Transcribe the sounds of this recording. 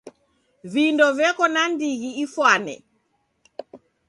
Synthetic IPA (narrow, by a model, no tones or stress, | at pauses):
vindɔvjɛkɔnandiɣiifwanɛ̰